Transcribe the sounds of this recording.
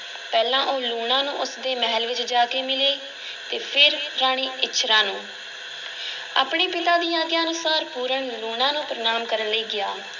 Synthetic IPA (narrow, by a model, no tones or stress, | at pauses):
pɛːlãːʔoːluːɳãːnũːʔʊsd̪eːmɛɦəlʋɪt͡ʃd͡ʒaːkeːmɪleː | t̪eːpʰɪɾɾaːɽ̃iːʔɪtːʃʰɾãːnũː | a̰ːpɳeːpɪt̪aːd̪iːãːɡjaːənʊsaːɾpuːɾəɳluːɽãːnũːpɾənaːmkəɾənləiːɡɪaː